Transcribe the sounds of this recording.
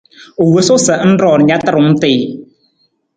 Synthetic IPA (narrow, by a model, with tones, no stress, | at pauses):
o˨wə˦so˦sə˨ʔn̩˦ɾɔː˨ɾɲa˦t̪ə˦˨ɾʊ˨˦ŋ˦t̪ɪː˨